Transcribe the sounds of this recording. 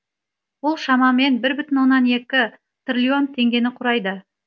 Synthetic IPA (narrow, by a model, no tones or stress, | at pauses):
wolˠʃɑmɑme̞nbɪɾbʏt̪ɪnwo̞nːɑne̞kʲɪ | t̪rʲlʲio̞nt̪ʰe̞ŋɡʲe̞nɪqʰʊɾɑjd̪ə